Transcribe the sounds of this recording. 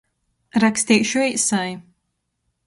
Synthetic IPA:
ɾakst̪iːkʃuɛjsaj

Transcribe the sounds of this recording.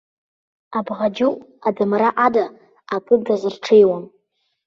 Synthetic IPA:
abʁad͡ʒuadɨmraʔadaː | kʼɨdazɨrʈ͡ʂʰejwam

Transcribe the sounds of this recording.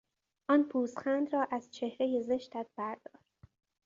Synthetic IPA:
ʔɒːnpʰuːsxænd̪ɾɒːʔæz̥t͡ʃʰe̞hɾeje̞ze̞ʃt̪æt̪̚ʰb̥æɾd̪̥ɒːɾd̪

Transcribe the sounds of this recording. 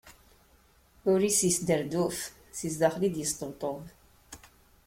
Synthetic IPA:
uɾisəsd̪əɾd̪uf | sizd̪aχlid̪jəst̪əwt̪ˤov

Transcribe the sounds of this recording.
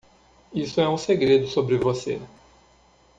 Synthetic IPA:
isʊɛũseɡɾed̪ʊsobɾɪvosḛ

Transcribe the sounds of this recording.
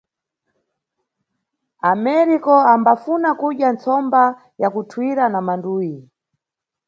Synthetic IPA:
amɛɾikɔambafunakuɗjant͡sɔmba | jakutʰwiɾanamanduːji

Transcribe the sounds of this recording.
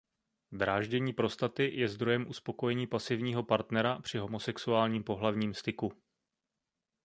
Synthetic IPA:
d̪ɾaːʒɟɛɲiːpɾo̞st̪at̪ɪjɛzd̪ɾojɛmʔuspo̞ko̞jɛɲiːpasɪvɲiːɦo̞paɾt̪nɛɾapr̝̥ɪɦo̞mo̞sɛksuaːlɲiːmpo̞ɦlavɲiːmst̪ɪku

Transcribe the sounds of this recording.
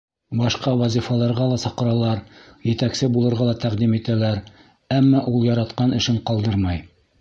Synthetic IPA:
bɑʃqɑwæzʲifɑlˠɑɾʁɑlˠɑsɑqɤ̆ɾɑlˠɑɾjɘ̆t̪æksɘbulˠɤ̆ɾʁɑlˠɑt̪æqd̪imit̪ælæɾ | æmːɑʔulˠjɑɾɑt̪qɑnɘ̆ʃɘɴqɑlˠd̪ɤɾmɑj

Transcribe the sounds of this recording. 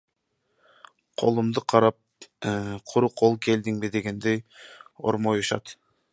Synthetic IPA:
qʰo̞̰lˠumd̪ɯqʰɑɾɑp̚ | qʰuɾuqʰolˠke̞ld̪iŋbid̪e̞ɡe̞nd̪ejo̞̰ɾmojuʃɑ̰t̪

